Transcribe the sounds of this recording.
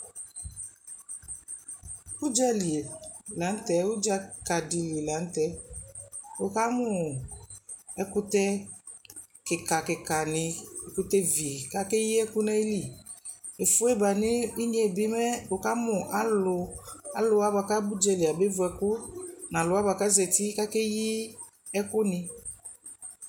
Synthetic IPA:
bu˦d͡ʒɛ˦li˨e˨la˨˦n̩˦tɛ˨ʊ˦d͡ʒa˦ka˨dɪ˨li˨e˨la˨˦n̩˦tɛ˦ | o˨ka˦mʊ˨ | ɛ˦kʊ˦tɛ˦ | kɪ˨ka˨kɪ˨ka˨nɪ˨ɛ˨kʊ˦tɛ˦vi˨ka˦kɛ˦ji˦ɛ˦kʊ˦na˦i˦li˨ | e˨fʊ˦ɛ˦ba˨nɪ˦i˦ɲɛ˨bɪ˦mɛ˦o˨ka˦mʊ˨ʔa˦lʊ˨˧a˨lʊ˦a˦ba˨ka˦bu˦d͡ʒɛ˧lɪ˨a˨be˦vʊ˨ɛ˨kʊ˦nã˨lʊ˨˦a˦ba˨ka˦zɛ˨ti˦ka˦kɛ˦ji˦ | ɛ˦kʊ˦nɪ̃˧

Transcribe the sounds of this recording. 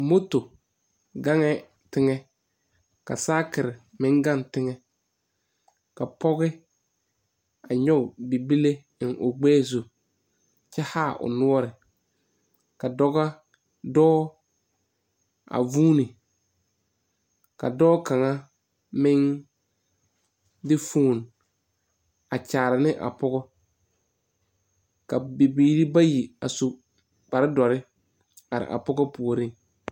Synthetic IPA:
mo˦to˨ | ɡa˦ŋɛ˦ | tɪ˦ŋɛ˦ | ka̰˨saː˦kɪ˨ɾɪ˨mɪ̃˦ŋɡa˦ntɪ˦ŋɛ˨ | ka˨pɔ˦ɣɪ˦ | a˨ɲɔ˦˨bi˨bi˦le˦ | ɪ˨nʔʊ˨ɡ͡bɛː˦zu˨ | t͡ʃɛ˦ha˦˨ʔʊ̰˨nu˦ɔ˦ɾɪ˨ | ka˨dɔ˦ɣa˦ | dɔː˦ | a̰˨vuː˦nɪ˨ | ka̰˨dɔː˦ka˨ŋa˦ | mɪ˦ŋ | dɪ˦fuː˦˨n | a˨t͡ʃaː˨ɾɪ˨nɪ˦ʔa̰˨pɔ˦ɣɔ˦ | ka˨be˨biː˨˦ɾi˦ba˦ji˨a˨su˨ | k͡pa˨ɾɪ˦dɔ˨ɾɪ˦ | a˨ɾɪ̰˨ʔa̰˨pɔ˦ɡɔ˦pu˨o˨ɾi˦ŋ

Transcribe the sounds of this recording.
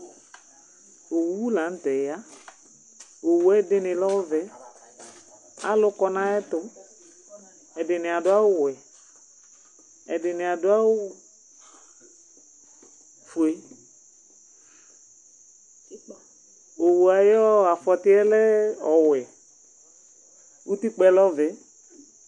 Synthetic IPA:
o˨wu˨˦wu˦lã˨n̩˦t̪ɛ˨ja˦ | o˨wu˨˦ɛ˦dɪ˦nɪ̃˨lɔ˦wvɛ˨ | a̰˦lʊ˦kɔ˨˦nã˦ɛ˦t̪ʊ˦ | ɛ˨dɪ˨nɪ̃˨a˨dʊ˦a˦wʊ˦wɛ˨ | ɛ˨dɪ˨nɪ˨a˨dʊ˦a˦wʊ˦ | fu˨e˦ | o˨wu˨a˨jɔ˦a˨fɔ˨tɪ˦ɛ˦lɛ˦ɔ˨wɛ˨ | u˦t̪i˦k͡pɛ˦lɔ˦vɛ˨˦

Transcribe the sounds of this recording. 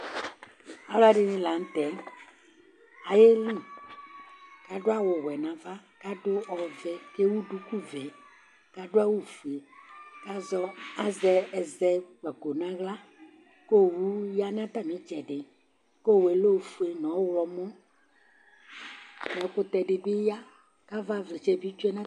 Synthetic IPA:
a˨lɖɪ˦nɪ̃˨la˨ŋ̩˦t̪ɛ˨˦ | a˨je˦lũ˦ | ka˨ɖo˦a˦wo˨ɣwɛ˨nã˨va˦ka˦ɖo˦ɔ˨vɛ˨ke˦wu˦ɖu˦ku˦vɛ˨ | ka˦ɖo˦a˦wu˦fu˨e˨ka˦zɔ˦a˦zɛ˨ɛ˨zɛ˨k͡pɛ˨ko˨nã˦ɣla˦ | ko˦˨wu˦ja˦nã˦t̪a˦mĩ˨˦d͡ʒɛ˨ɖe˨ | ko˦˨we˨lo˦˨fu˨˦e˨nɔ̃˨˦wɔ˨mɔ̃˦ | nɛ̃˨˦ko˦t̪ɛ˨ɖe˨be˦ja˦ | ka˦va˦vɛ˨d͡ʒɛ˨bi˦t͡ʃu˦ɛ˦nã˦

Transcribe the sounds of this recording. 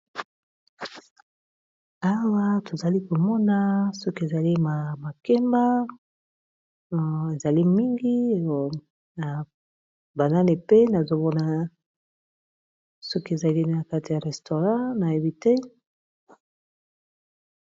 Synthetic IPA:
a˦wa˦to˨za˨li˦ko˨mɔ˦na˦so˦ke˨za˨li˦ma˨ma˨kɛ˦mba˦ | e˨za˨li˦mi˦ŋɡi˦˨ | na˨ | ba˨na˦ni˨pe˦na˨zo˨mɔ˦na˨ | so˦ki˦e˨za˨li˦na˨ka˦ti˨ja˨ʁɛ˨sto˨ʁã˦na˨je˨bi˦te˦

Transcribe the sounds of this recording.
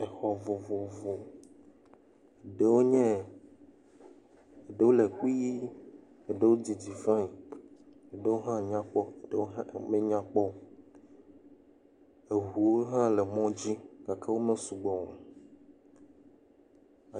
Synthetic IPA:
e˨xɔ˨vo˨vo˨vo˨ | e˨ɖe˨wo˦ɲɛ̃˦ | e˨ɖe˦wo˦le˨k͡pi˦ji˦ | e˨ɖe˦˨wo˦d͡ʑi˨d͡ʑi˨fã˦i˨ | e˨ɖe˦wo˦ɦã˦ɲã˦k͡pɔ˦e˨ɖe˦wo˦ɦã˦˨mẽ˦ɲã˦k͡pɔ˦ | e˨ɦu˨wo˦ɦã˦le˨mɔ̃˦d͡ʑi˦ka˨kʰa˦wo˦mẽ˦su˨ɡ͡bɔ˨me˨ | a˨

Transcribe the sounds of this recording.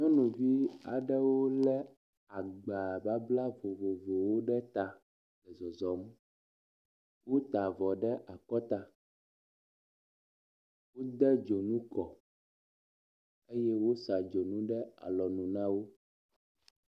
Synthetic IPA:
ɲɔ̃˦nũ˨vi˦a̰˨ɖɛ˦wo˦lɛ˦ | a˨ɡ͡ba˨ba˦bla˦vo˨vo˨vo˨wo˦ɖɛ˦t̪a˨ | lɛ˨zɔ˨zɔ˨m | wo˦t̪a˨vɔ˨ɖɛ˦ʔa˨kɔ˦t̪a˨ | wo˦d̪ɛ˦d͡ʒo˨nũ˦kɔ˨ | e˦jɛ˦wo˦sa˨d͡ʒo˨nũ˦ɖɛ˦a̰˨lɔ˨nũ˨nã˦wo˦

